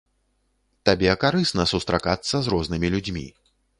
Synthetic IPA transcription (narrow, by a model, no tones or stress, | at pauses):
t̪abʲɛkaɾɨsnɐsust̪ɾakat̪sːɐzrɔznɨmʲilʲud͡zʲmʲḭ